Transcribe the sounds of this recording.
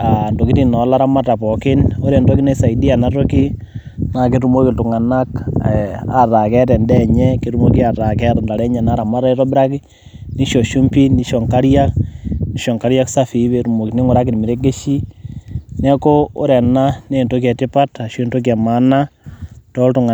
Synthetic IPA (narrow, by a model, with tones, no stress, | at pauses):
a˨ndo˨ki˦ti˨na˨˦la˦ɾa˦ma˦ta˨pɔ˨kɪ˦no˦ɾɛ˨nto˦ki˦ne˦sa˨i˨di˦a˨na˦to˦ki˦ | na˨k̬e˦ɾu˦mo˦ki˨ltu˨ŋa˨na˦k | a̰˨ra˨kɛ˦tɛ˨ndɛɲɛ˦ke˨ɾu˦mo˦ki˦a˨ɾa˨kɛ˦ɾnda˨ɾɛ˦ɲɛ˨na˦ɾa˨ma˦ɾa˦i˦ɾɔ˦bɾa˦ki˦ | ni˦ʃo˨ʃu˦mpi˦ni˦ʃɔ˨ŋka˦ɾja˦kni˦ʃɔ˨ŋka˦ɾja˦ksa˦fi˨˦βe˨ɾu˨mo˨kini˦ŋʊ˨ɾa˦k̬i˨ɾmi˨ɾe˦ɡe˦ʃi˦ | nɛ˦ko˦o̰˦ɾɛ˨na˦ne˦˨nto˦k̬jɛ˨ti˦pa˦ta˨ʃwe˦nto˦k̬a˨ma˦na˦tɔ˦ltʊ˨ŋa˨